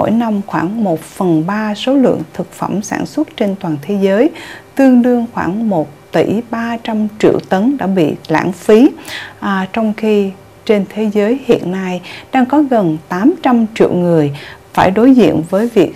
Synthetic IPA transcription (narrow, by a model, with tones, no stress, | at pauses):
o̰˧˥jna˧mxwaː˧˩ŋmo˨˩t̚fə˨˩nɓaː˧so˨˦lɨ̰˧˨əŋt̪ʰɨ˨˩k̚fə˧˩msa̰ː˧˩nswə˦˥t̚t͡ɕe˧nt̪waː˨˩nt̪ʰe˨˦zəː˨˦jt̪ɨ˧əŋɗɨ˧əŋxwaː˧˩ŋmo˨˩t̚t̪i˧˩ɓaː˧t͡ɕa˧mt͡ɕḭ˧˨əwt̪ə˨˦nɗa̰ː˧˥ɓḭ˧˨la̰ː˧˩ŋfi˨˦ʔt͡ɕɔ˧wŋ͡mxi˧ | t͡ɕe˧nt̪ʰe˨˦zəː˨˦jhḭ˧˨ənːa˧jɗaː˧ŋkɔ˨˦ɣə˨˩nt̪aː˨˦mt͡ɕa˧mt͡ɕḭ˧˨əwŋɨ˨˩əjfaː˧˩jɗo˨˦jzḭ˧˨ənvəː˨˦jvi˨˩ək̚